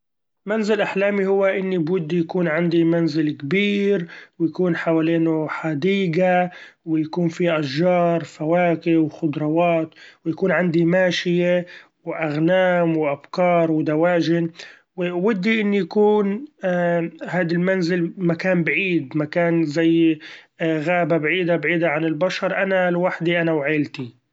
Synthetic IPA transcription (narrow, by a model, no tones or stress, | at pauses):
manzɪlʔaħlaːmihʊwːaʔɪnːibwʊd̪ːijakuːnʕand̪imanzɪlkbiːɾwjakuːnħawaːleːnʊħad̪iːɡa | wɪjakuːnfiʔaʃːɑːɾˤfawaːkɪʔwxʊd̪ɾˤɑwaːt̪wjakuːnʕand̪imaːʃɪje | wʔaɣnaːmwʔabkɑːɾˤwɪd̪awaːʒɪn | wwɪd̪ːiʔɪnːijakuːn | haːd̪almanzɪlmakaːnbʕiːd̪makaːnzajː | ɣaːbabʕiːd̪abʕiːd̪aʕanɪlbaʃɑɾˤʔanalwaħd̪iʔanawʕeːlt̪i